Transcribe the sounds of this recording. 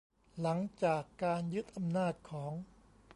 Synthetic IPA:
la˩˦ŋt͡ɕaː˨˩kːaː˧njɯ˦˥t̪̚ʔa˧mnaː˥˩t̪̚kʰɔː˩˦ŋ

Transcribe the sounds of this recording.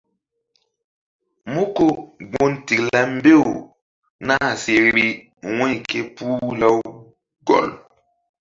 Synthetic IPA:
mu˦ko˨ɡ͡bo˦nti˨kla˦m̩˦be˦˨u˨ | naː˦˨se˨ɾɾi˦ | wɛ̃˦jke˦puː˦la˦w | ɡɔ̰˨l

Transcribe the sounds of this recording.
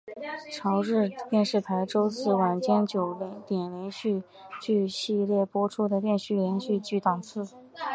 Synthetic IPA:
ʈ͡ʂʰɑ˧˥ʊʈ͡ʂɻ̩˥˧t̪jɛ˥˧nʂɻ̩˥˩pʰa˧˥ɪʈ͡ʂo˥ʊsɹ̩˥˩wa˨˩nt͡ɕjɛ˥nt͡ɕjo˨˩ʊlŋt̪jɛ˨˩nljɛ˧˥nɕy˥˧ | t͡ɕy˥˧ɕi˥˧ljɛ˥˩pwɔ˥ʈ͡ʂʰu˥d̪ə˨t̪jɛ˥˧nɕy˥˩ljɛ˧˥nɕy˥˧t͡ɕy˥˩t̪ɑ˨˩ŋt͡sʰɹ̩˥˩

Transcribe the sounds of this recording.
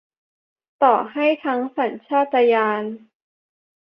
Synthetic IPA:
t̪ɔː˨˩ha˥˩jt̪ʰa˦˥ŋsa˩˦nt͡ɕʰaː˥˩t̪ːa˧jaː˧n

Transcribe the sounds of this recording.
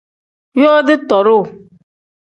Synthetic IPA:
jɔ˦dɪ˦tɔ˨ɾʊ˦˨

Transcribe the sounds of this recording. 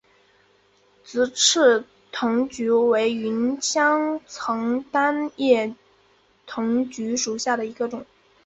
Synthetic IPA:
t͡sɹ̩˧˥ʈ͡ʂʰɻ̩˥˩ | t̪ʰʊ˧˥ŋt͡ɕy˧˥we˧˥ɪy˧˥nt͡ɕʰjɑ˥ŋt͡sʰɤ˧˥ŋt̪a˥njɛ˥˩ | t̪ʰʊ˧˥ŋt͡ɕy˧˥ʂu˨˩ɕja˥˩d̪ə˩i˧˥ɡə˧ʈ͡ʂʊ˨˩˦ŋ

